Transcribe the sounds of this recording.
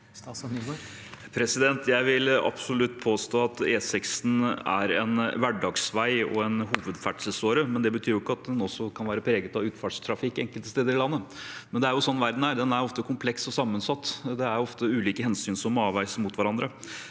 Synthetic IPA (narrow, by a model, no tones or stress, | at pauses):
pʰɾɛsɪd̪ɛnt̪ʰjæɪʋɪlɑ̰psʊlʉt̪ːpʰoːst̪oːɑt̪eːsɪksn̩æ̰ɾɛ̰nʋæɖɑːɡsʋæɪɔ̰ɛnɦuːʋəd̪fæɖʂəsoːɾəmɛnd̪ɛbət̪ʰyːɾjʊɪkːəɑt̪̚d̪ɛnɔsːɔkʰɑnʋæːɾəpʰɾeːɡət̪ɑʋʉːt̪fɑːʈʂt̪ʰɾɑfɪkːɛŋkəlt̪əst̪eːd̪əɾɪlɑnːəmɛnd̪ɛæɾjʊsɔnːʋæɾd̪n̩hæːd̪ɛnæɾɔft̪əkʰʊmpʰlɛksɔsɑmːənsɑt̪ːd̪ɛæɾjɔft̪əʉːliːkəhɛnsyːnsɔmɑːʋæɪsmʊt̪ʋæɾɑnd̪ɾə